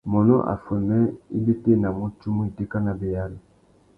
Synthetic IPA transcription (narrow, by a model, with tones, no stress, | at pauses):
mɔ˨nɔ̰˦ʔa̰˨fo˨nɛ˦i˦be˦te˦˨na˨mo˦t͡ʃu˦mu˦e˨te˦ka˦na˨be˨ja˦li˨